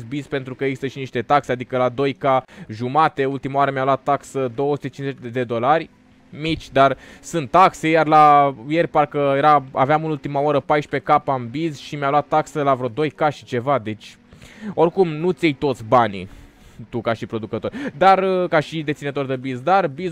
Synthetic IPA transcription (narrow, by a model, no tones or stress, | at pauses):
zbizpe̞nt̪ɾukəeɡzist̪əʃiniʃt̪e̞t̪aksead̪ikəlad̪o̞jkaʒumat̪e̞ult̪imawaɾəmʲjalwat̪ːaksəd̪o̞wəsut̪e̞t͡ʃinzet͡ʃed̪e̞d̪o̞larʲ | mit͡ʃʲd̪arsɨnt̪ːakse̞jarlaje̞rʲparkəje̞ɾaa̰veamɨnult̪imaoɾəpajʃpe̞kapambizʃimjalwat̪ːaksəlavɾo̞d̪o̞jkaʃi̥t͡ʃe̞vad̪e̞t͡ʃʲ | o̞rkumnut̪sʲejt̪o̞t̪sʲbanḭ | t̪ukaʃipɾo̞d̪ukət̪o̞ɾʲd̪arəkaʃid̪et̪sinət̪o̞rd̪ebizd̪arbiz